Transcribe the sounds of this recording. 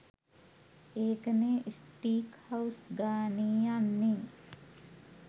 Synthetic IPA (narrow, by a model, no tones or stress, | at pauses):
eːkəneːʔisʈiːkhɐwsɡaːniːjanːi